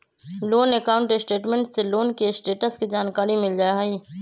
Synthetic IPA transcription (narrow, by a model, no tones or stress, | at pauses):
loːnekaːʊ̃ɳʈesʈeːʈmẽɳʈseloːnkesʈeːʈəskid͡ʒaːnkaːɾimɪld͡ʒaːeɦaiː